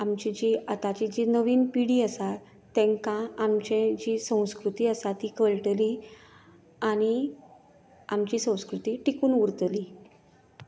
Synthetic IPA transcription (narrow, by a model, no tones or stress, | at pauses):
amt͡ɕid͡ʑiət̪at͡ɕid͡ʑinəʋiːnpiɽiːəsat̪ː | ɛ̃ŋkãamt͡ɕẽd͡ʑisə̃w̃skɾut̪iːəsat̪iːkəɭʈli | aɽ̃i | amt͡ɕiːsə̃w̃skɾut̪iːʈikuːnuɾt̪li